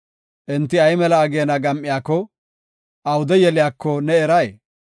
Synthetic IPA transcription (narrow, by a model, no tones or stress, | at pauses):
ʔɛnt̪ːɪɐjmɛlɐːɡeːnɐɡɐmʔɪjaːkːɔ | ʔɐwʊd̪ɛjɛlɪjaːkːɔnɛɛɾɐj